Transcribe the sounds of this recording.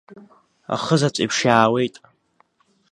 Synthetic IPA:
a̰χəzat͡sʷʼḭpʰʂaːwejtʼ

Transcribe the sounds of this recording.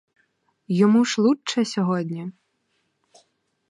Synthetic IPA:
jɔmuʂlˠut͡ʂːɐsʲɔɦɔd̪ʲnʲi

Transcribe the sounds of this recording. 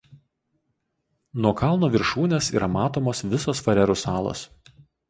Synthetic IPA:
nuɔkɑˑlˠˑnoːʋʲɪɾʃuːnʲeːsḭːɾɐmɑːt̪oːmoːsʋʲɪsoːsfɐɾʲɛɾʊsɑːlˠo̰ːs

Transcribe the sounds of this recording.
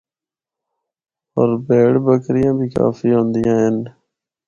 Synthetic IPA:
oːɾbeːɽbəkɾɪjãːbʱiːka̰ːfiːɦõːnd̪ɪjãːɦən

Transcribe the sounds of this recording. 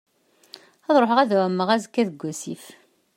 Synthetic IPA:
ɑðˤɾˤoħəʁæðwæmːəʁæzkːæðəɡʷːæsif

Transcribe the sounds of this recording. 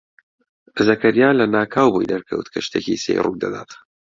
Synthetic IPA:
zɐkɐɾjaːlɐnaːkʰaːwbojd̪ɐɾkʰə̰wt̪kʰɐʃt̪ʰeːcisḛjrṵk̚d̪ɐ̰d̪aːt̪

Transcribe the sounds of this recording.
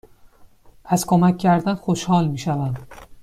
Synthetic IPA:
ʔæskʰomæcʰʲːæɾd̪ænxoʃhɒːlmiːʃævæn

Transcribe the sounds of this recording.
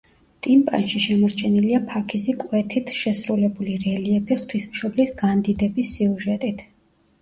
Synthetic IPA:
t̪ʼimpʼa̰nʃiʃɛmɔɾt͡ʃʰɛniliapʰakʰisikʼwɛt̪ʰit̪ʰʃɛsɾulɛbuliɾɛliɛpʰiχt̪ʰwismʃɔblisɡand̪id̪ɛbisːiuʒɛt̪ʼit̪ʰ

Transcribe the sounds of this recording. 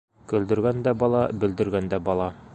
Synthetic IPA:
kɵ̆ld̪ɘ̆ɾɡænd̪æbɒlˠɑbɘ̆ld̪ɘ̆ɾɡænd̪æbɒlˠɑ

